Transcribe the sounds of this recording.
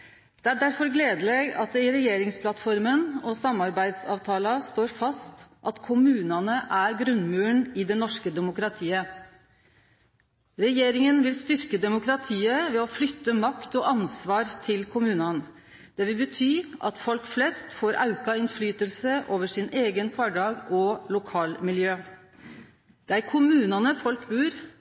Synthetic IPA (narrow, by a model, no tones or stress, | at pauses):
d̪̥ɛæɖæɾfɔɾɡleːd̪əlɛɡɑt̪̚ɪɾɛjeːɾɪŋspʰlɑt̪fɔɾmənɔsɑmːɑɾbæɪd̪sɑ̰ːʋt̪ʰɑːlɑst̪oːɾfɑst̪ʔɑt̪kʰʊmʉːnɑnəʔæɾɡɾʉnmʉːɳɪd̪ɛnɔʂkəd̪ɛmʊkɾɑt̪ʰiːə | ɾɛjeːɾɪŋənʋɪlst̪ʏɾkəd̪ɛmʊkɾɑt̪ʰiːəʋɛɔflʏt̪ːəmɑkt̪ɔʔɑnsʋɑːɾt̪ʰɪlkʰʊmʉːnɑn | d̪̥ɛʋɪlbət̪ʰyːʔɑt̪fɔlkflɛst̪foːɾʔɑʉkɑɪnflyːt̪əlsəʔoːʋəʂɪneːɡənkʰɑːɖɑːɡɔlʊkʰɑːlmɪljøː | d̪̥ɛæɾkʰʊmʉːnɑnəfɔlkbʉːɾ